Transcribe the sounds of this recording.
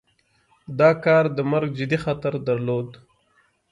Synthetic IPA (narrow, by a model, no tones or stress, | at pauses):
d̪ɑkɑɾd̪əmaɾɡ̚d͡ʒɪd̪ixat̪aɾd̪aɾlod̪